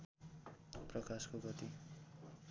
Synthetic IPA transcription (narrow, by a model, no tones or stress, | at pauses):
prʌkaskoɡʌt̪i